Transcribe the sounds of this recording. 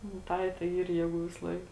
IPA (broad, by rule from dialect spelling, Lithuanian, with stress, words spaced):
nʊ ˈtɐɪ tɐɪ ˈiːr ˈjeːˌɡuː ʋʲɪsˈlˠɐɪk